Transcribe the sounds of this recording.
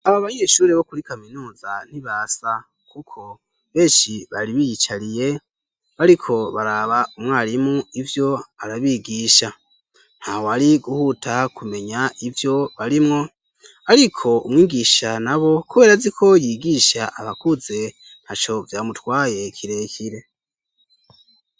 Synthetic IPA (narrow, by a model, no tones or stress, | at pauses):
aβaβaɲe̞ːʃuːɾe̞βo̞kuɾikaminuːzan̥iβaːsa | kukʰo̞ | βe̞ːʃiβaɾiβijit͡ʃaɾije̞ | βaɾikʰo̞βaɾaβaʔumŋaːɾimuivjo̞aɾaβiɡiːʃa | n̥hawoaɾiɡuhutʰakume̞ɲaivjo̞βaɾimŋo̞ | aɾikʰo̞umŋiːɡiʃanaβo̞kuβe̞ːɾazikʰo̞jiɡiʃaʔaβakuze̞ | n̥hat͡ʃo̞vjaːmutwaːje̞kʰiɾe̞kʰiɾe̞